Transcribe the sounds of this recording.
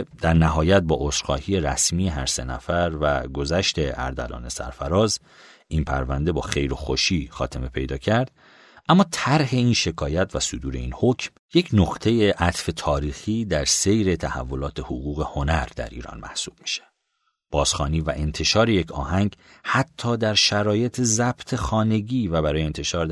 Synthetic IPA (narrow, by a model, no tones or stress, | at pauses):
d̪æɾnæɦɒːjæt̪̚bɒːʔosɾxɒ̰ːhiːje̞ɾæ̰smiːjeɦæɾse̞̰næ̰fæɾvæ̰ɡo̞zæʃt̪ʰe̞æ̰ɾd̪æ̰lɒ̰ːne̞sæ̰ɾfæɾɒːz | ʔinpʰæ̰ɾvænd̪e̞bɒːxe̞jɾoxoʃiːxɒ̰ːt̪ʰe̞me̞pʰe̞jd̪ɒːcʰæɾd̪̥ | æmːɒːt̪ʰæɾɦe̞iːnʃe̞kʰɒːjæt̪ʰvæsod̪uːɾe̞iːnhocʰm | je̞cʰnoqt̪ʰe̞je̞ʔæt̪ʰfe̞t̪ʰɒːɾiːxiːd̪æɾse̞jɾe̞t̪ʰæhæ̰vːo̞lɒːt̪ʰe̞hoɣuːɣe̞ho̞næɾd̪æ̰ɾḭːɾɒ̰ːnmæ̰hsuːb̥̚mi̥ʃe̥ | b̥ɒːz̥xɒːniːvæʔe̞nt̪ʰe̞ʃɒːɾe̞je̞cʰɒːhæŋɡ | hæt̪ʰːɒːd̪æɾʃæɾɒːje̞t̪ʰezæb̥t̪ʰe̞xɒːne̞ɟiːvæbæɾɒːjent̪ʰe̞ʃɒːɾ